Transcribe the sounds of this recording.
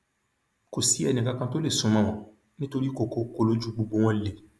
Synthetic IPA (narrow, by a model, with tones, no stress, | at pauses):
ko˨si˦ɛ˨nĩ˨ka˨kã˦to˦le˨sõ˨mã˦˨mã˨ | ne˦to˦ɾi˦ko˨ko˦ko˦lo˦d͡ʒu˦ɡ͡bu˨ɡ͡bo˦ŋɔ̃˦le˨